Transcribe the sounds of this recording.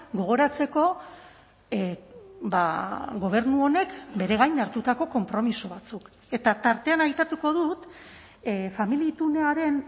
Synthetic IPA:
ɡo̞ɣ̞o̞ɾat͡se̞ko̞ | baɣo̞β̞e̞rnuo̞ne̞kbe̞ɾe̞ɣajnaɾt̪ut̪ako̞ko̞mpɾo̞miso̞β̞at͡suk | e̞t̪at̪aɾt̪e̞anajt̪at̪uko̞ðut̪ | familit̪une̞aɾe̞n

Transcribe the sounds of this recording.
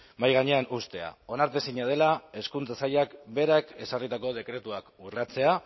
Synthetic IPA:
majɣaɲe̞anust̪e̞a̰o̞naɾt̪e̞siɲað̞e̞lae̞skunt͡sasajakbe̞ɾake̞sarit̪ako̞ð̞e̞kɾe̞t̪uakurat͡se̞a

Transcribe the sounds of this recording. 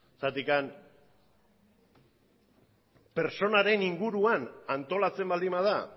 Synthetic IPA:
sat̪ikan | pe̞ɾt͡so̞naɾe̞niŋɡuɾuanant̪o̞lat͡se̞mbald̪imað̞a

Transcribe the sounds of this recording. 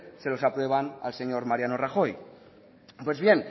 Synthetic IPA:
selo̞sapɾweβ̞ana̰lseɲoɾmaɾjanoraxoj | pwe̞zβjen

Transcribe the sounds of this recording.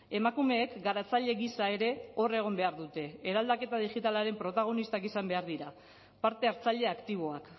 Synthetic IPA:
e̞makume̞ːkɡaɾat͡saʎe̞ɣisae̞ɾe̞o̞re̞ɣ̞o̞mbe̞aɾðut̪e̞ːɾald̪ake̞t̪aðiʝit̪alaɾe̞mpɾo̞t̪aɣ̞o̞nist̪akisambe̞aɾðiɾa | paɾt̪e̞aɾt͡saʎe̞akt̪iβo̞ak

